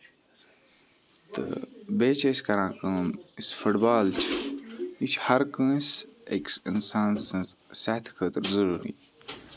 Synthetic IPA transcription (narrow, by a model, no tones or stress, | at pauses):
t̪ɨ̰beːt͡ʃʰɐskɐɾãːkəːmisfuʈbaːlt͡ʃʰ | it͡ʃʰhɐɾkə̃ːseksḭnsaːnssaht̪ʰkʰəːt̪ɨɾzɐɾuːɾḭː